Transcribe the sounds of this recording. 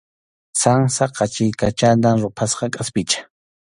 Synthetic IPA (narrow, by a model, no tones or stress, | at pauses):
saŋsaqɑt͡ʃɪjkat͡ʃat̪aŋɾʊpʰasqɑkʼaspɪt͡ʃḁ